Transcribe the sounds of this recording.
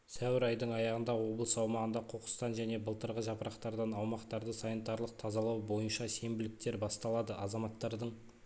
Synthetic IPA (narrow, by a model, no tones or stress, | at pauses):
sæwɪɾɑjd̪əɴɑjɑʁənd̪ɑwo̞blˠəsɑwmɑʁənd̪ɑqʰo̞qə̥st̪ɑnʒæne̞bəlˠt̪əɾʁəʒɑpəɾʔɑqt̪ɑɾd̪ɑnɑwmɑqt̪ɑɾd̪əsɑnit̪ɑɾlˠəq̚t̪ʰɑzɑlˠɑwbo̞jənʃɑse̞mbɪlɪk̚t̪e̞ɾbɑst̪ɑlˠɑd̪əʔɑzɑmɑt̪ːɑɾd̪əɴ